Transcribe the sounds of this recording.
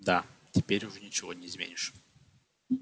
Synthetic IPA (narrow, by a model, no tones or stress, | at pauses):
d̪atʲɪpʲeɾʲʊʐɛnʲɪt͡ɕɪvonʲɪɪːzmʲḛnʲɪʂ